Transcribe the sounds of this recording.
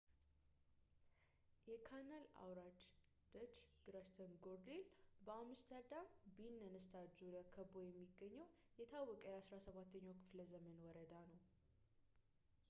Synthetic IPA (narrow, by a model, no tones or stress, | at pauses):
jɛkʰanala̰wɾad͡ʒ | d̪̥ət͡ʃɡ̥ɨɾaʃt̪ʰənɡoɾd̪elbəamɨst̪ʰəɾd̪ambinːənɨst̪ʰad͡ʒuləkʰəbojɛmːiɡːəɲːəw | jɛt̪ʰawːɔkʼəjɛasɾasəβat̪ʰːəɲːawkʰɨfləzəmənwɔɾəd̪anəw